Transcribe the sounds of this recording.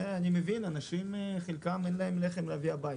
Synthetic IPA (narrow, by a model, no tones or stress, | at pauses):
eanimevinanaʃimχelkamenlaemleχemleaviabaji